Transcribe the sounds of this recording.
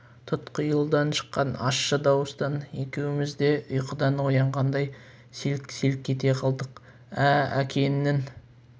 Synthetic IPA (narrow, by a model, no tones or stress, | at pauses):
t̪ʰʊt̪qəjəlˠd̪ɑnʃə̥qːɑnɑ̰ʃːəd̪ɑwəst̪ɑne̞kʲe̞wɪmɪzd̪e̞ʔʊjqəd̪ɑnwojɑɴʁɑnd̪ɑj | selkselk̚ʲʰːe̞t̪e̞qʰɑlˠd̪əq | ææ̰kʲʰe̞nːɪn